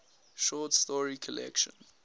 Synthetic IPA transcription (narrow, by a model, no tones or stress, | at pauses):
ʃɔtstɔɹikʰɔlɛ̰kʃə̰̃n